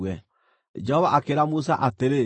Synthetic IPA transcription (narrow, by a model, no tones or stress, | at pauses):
wɛ | d͡ʒɛhɔβaʔakeɾamusa̰ʔateɾe